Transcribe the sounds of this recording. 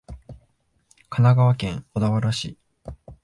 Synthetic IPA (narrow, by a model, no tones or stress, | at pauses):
kanaɡaβakẽ̞ŋko̞d̪aβaɾaɕiː